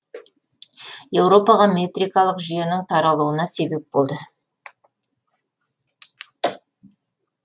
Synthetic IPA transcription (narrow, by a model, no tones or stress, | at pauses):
je̞wɾo̞pɑʁɑmʲe̞t̪rijkɑlˠəqʒʏje̞nɪŋt̪ʰɑɾɑlˠuwənɑse̞be̞p̚bolˠd̪ə